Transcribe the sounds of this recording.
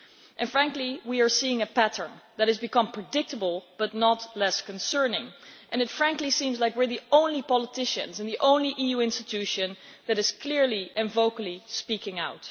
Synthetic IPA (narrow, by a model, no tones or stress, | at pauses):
ʔɨ̃nfɹæ̃ŋkliwiə˞siɪ̃ŋɨpæɾə̰̃˞nðɨt̚ɨzbɨkʌ̃mpʰɹ̥ɨdɪk̚tʰəbəl̩ˠb̥ʌtⁿnətlɛskɨ̃nsɜ̃˞nɪ̃ŋʔɨ̃nɨtfɹæ̃ŋklisĩmzlaɪkwɪɹðiõʊ̃nlipɑlˠətʰɪʃɨ̰̃nzɨ̃nðiʔõʊ̃nliʔijuɪ̃nstɨtʰʉʃɨ̃nðɨɾɨz̥kʰl̥ɪɹliʔɨ̃nvoʊkl̩ˠispikɪ̃ŋaʊt